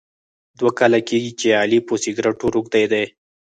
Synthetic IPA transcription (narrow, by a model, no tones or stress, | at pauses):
d̪wakalakeɡit͡ʃeɑliposiɡɾaʈoɾukd̪ajd̪aj